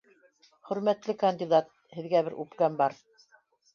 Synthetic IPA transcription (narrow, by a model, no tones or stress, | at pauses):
χɵ̆ɾmæt̪lɘkɐnʲd̪ʲid̪at̪̚ | hɘ̆ðɡæβɘɾʔʉ̰pkæmbɑɾ